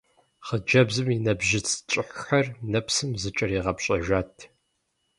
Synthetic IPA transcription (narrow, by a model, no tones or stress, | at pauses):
χəd͡ʒɐbzɨminɐbʒɪt͡sʰt͡ʃʼɪħxɐrnɐpsɨmzɨt͡ʃʼɐriːʁɐpɕʼɐʒaːtʰ